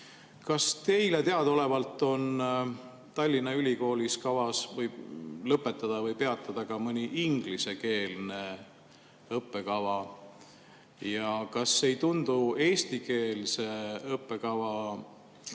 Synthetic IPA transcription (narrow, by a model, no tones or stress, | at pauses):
kɑst̪e̞jle̞t̪e̞ɑd̪o̞le̞vɑlt̪ːˑo̞n | t̪ɑlʲːinːɑylʲiko̞ːlʲiskɑvɑsvɤjlɤpːˑe̞t̪ːˑɑd̪̥ɑvɤjpe̞ɑt̪ːˑɑd̪̥ɑkɑmɤnʲiʔiŋɡ̥lise̞ke̞ːlne̞ | ɤpːˑe̞kɑvɑ | jɑkɑsːe̞jt̪und̪̥ue̞ːst̪ike̞ːlse̞ɤpːˑe̞kɑvɑ